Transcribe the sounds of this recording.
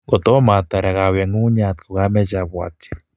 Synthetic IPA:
ɡo˨t̪o˦ma˨t̪a˨ɾa˨ɣa˨we˨ŋu˦ɲa˨t̪ko˨ɣa˦me˦ʒa˨βwa̰˨t̪i̥

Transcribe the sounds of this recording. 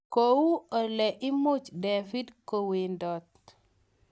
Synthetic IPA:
ko˨wu˦ɔ˨lɛ˨ʔɪ˦mʊ˦t͡ʃde˨fi˦dko˨we˨ndɔ˨t̪̚

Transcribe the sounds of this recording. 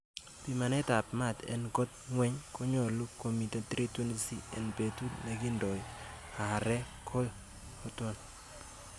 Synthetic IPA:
pi˨ma˨nɛ˦ta˨pma˦˨tḛ˨nko˦t̚ŋwɛ˦ɲko˦ɲɔ˨lu˦kːo˨mi˨te˦tɾi˦twe˦ni˦si˦ḛ˨npe˨tu˦tne˨ki˦ndɔ˨ja˨ɾɛ˦ | kʰo˦l | o˦tɔ˦n

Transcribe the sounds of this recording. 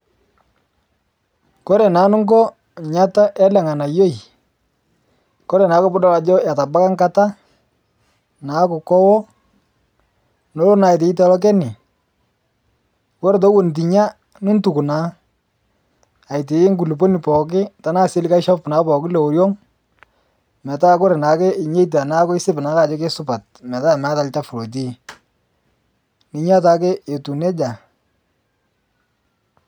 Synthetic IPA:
kɔ˦ɾɛ˨naː˨˦nʊ˦ŋɡɔ˦ | ɲa˦ta˦ʔɛ˦lɛ˨ŋa˨na˨jo˦i˨ | kɔ˦ɾɛ˨naː˨˦kʊ˦bʊ˦dɔ˦la˨d͡ʒɔ˦ja˨ta˨ba˦ka˦ŋka˦ta˦ | naː˨˦kʊ˨kɔ˦wɔ˦ | no˨˦lo˦na˨jt̬ɪ˨ɪ˦tɛ˨lɔ˦k̬ɛ˦nɪ˨ | kɔ˦ɾe˨t̬ɔ˦wo˨n˨t̬i˨ɲa˦ | nʊ˦n˦tu˨ku˨naː˨˦ | a˨jtɪ˨ɪ˦ŋɡu˨lu˨po˦ni˨pɔ˨k̬ɪ˦ta˨˦na˦˨se˦li˦ka˦ɪ˦ʃɔ˦pna˨˦pɔ˨kɪ˦le˨o˨ɾjɔ˦ŋ | mɛ˨ta˦ko˦ɾe˨na˨kɛ˦ɪ˨ɲe˦jt̬a˨na˦kʊ˦ɪ˦sɪ˦bna˨˦ka˦˨d͡ʒɔ˦ke˦sʊ˦pa˨t̚ | mɛ˨ta˦˨ma˦ta˨lta˦fʊ˨ɾo˨t̬i˦ | ni˨ɲa˦ta˦kɛ˦e˨tu˨ne˦d͡ʒa˨

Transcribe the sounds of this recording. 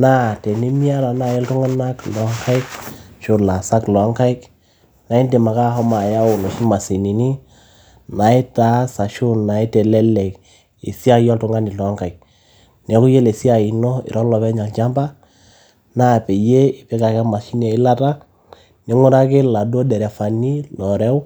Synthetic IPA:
na˦tɛ˨ni˦mi˦a˦la˨na˦˨jɛ˦ltʊ˦ŋa˦na˦klɔ˨˦ŋkʰa˦ɪ˦k̚ʃʊ˨la˨sa˦klɔ˨a˦ŋka˦ɪ˦k | na˨i˦nde˨ma˨ka˦hɔ˦ma˨ja˦ʊ˨nɔ˨ʃi˦ma˨si˨ni˨ni˦ | na˨ɪ˦ta˨˦sa˨ʃʊ˦nːa˨i˦tɛ˨lɛ˦lɛ˨k | ḭ˨si˦a˦jɔ˦ltʊ˦ŋa˦nɪ˨lɔ˨a˦ŋka˨ɪ˨k̚ | nɛ˨˦kʊ˦je˦le˨si˦a˨i˨nɔ˦ɪ̰˨ɾɔ˦lɔ˨pɛ˦ɲa˨lt͡ʃa˦mba˦ | na˦pɛ˨je˦ɪ˨pɛ˦ka˨kɛ˦ma˨ʃi˦n˦a˨ɪ˦la˦ta˦ | nɪ˨˦ŋʊ˦ɾa˦kɪ˦la˨do˦dɛ˨ɾɛ˨fa˨ni˦lɔ˨ɾɛ˦w

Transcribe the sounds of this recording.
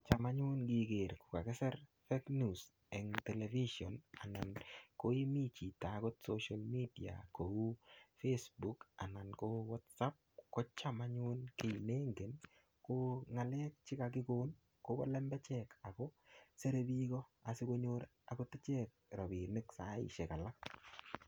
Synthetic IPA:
t͡ʃa˨ma˦ɲʊ˦nɡiɡe˨ɾkʊ̥˨ka˨kɛ˦sɛ˦ɾfe˦knus | ɛ˨ŋtɛ˨lɛviʃɔ˨na˨na˨nko˦i˦mi˦t͡ʃi˨tako˦tsoʃalmidia̰˨ko˨u˦fesbuka˨na˨nko˦wɔ˦tsa˦p̚ko˦t͡ʃamaɲu˦nke˨ne˦ŋɡe˨n | koŋa˨lɛ˦k̚t͡ʃɪ˦kak̬ɪ˦ko˦n | ko˦bɔ̰˦lɛ˦mbɛ˦t͡ʃɛka˨kɔ˦se˦ɾe˦bikɔa˨sɪ˦ko˦ɲoɾ | a˨kotɪ˦t͡ʃɛk̚ɾɔ˨bi˨nɪ˦ksa˦ɪ̰ʃe˨ka˨la˦k̚

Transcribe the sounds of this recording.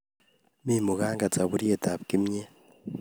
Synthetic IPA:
mimu˨ɣaː˦ŋɡa˨t͡sa˨βu˦ɾi˦e˨ta˨βki˦mɲe˦

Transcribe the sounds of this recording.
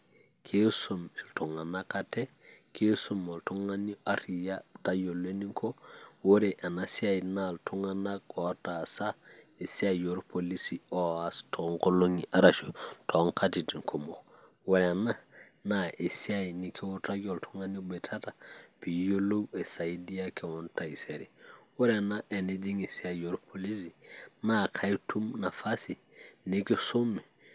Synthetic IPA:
kʰe˦sume˨ltu˨ŋa˨nakate˦kʰe˦su˨mo˨ltu˦ŋa˦niʔa˦ɾijata˦jo˨lːe˦ni˦ŋkʰo˦wo˦ɾeʔa˨nasi˦a˦jnaltʰu˦ŋanaɡo˨ta˨sae˨siajoɾpolisi˦oastʰoŋko˦lo˦ŋi˨ʔaɾat͡ʃo˨tʰoŋkatiti˨ŋkʰo˨mo˨ | we˨le˨na˦ | na˨ʔi˨si˦a˦ini˨kʰi˦wo˦ta˦ɟo˨ltʰu˦ŋa˦ni˦be˨tʰa˦ta˨pi˨jo˦lo˦we˨sa˨i˦di˦a˦kʰe˨wo˦nta˨i˨se˨ɾi˨we˦le˨na˦ʔe˨ni˦di˦ŋe˨si˦a˨jo˦ɾpʰoli˦s̬ina˦kʰa˦ji˦tʰu˦mna˨fa˦si˨ | ni˦ki˦so˦mːi˨

